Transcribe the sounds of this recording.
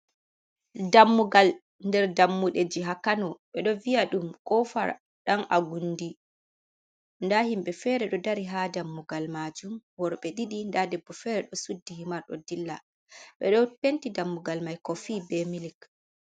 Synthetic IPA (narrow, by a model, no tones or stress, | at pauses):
damːuɡal | ndɛɾdamːuɗed͡ʒiɦakanɔɓɛɗɔvijaɗumkʼɔfa̰ɾ | ɗanʔaɡundi | ndahimɓɛfɛːɾɛɗɔdaɾiɦadamːuɡalmad͡ʒumwɔɾɓɛɗiɗindadɛbːɔfɛɾɛɗɔsudːihimaɾɗɔ̰dilːa | ɓɛ̰ɗɔpentidamːuɡalmajkɔfiːbɛmilik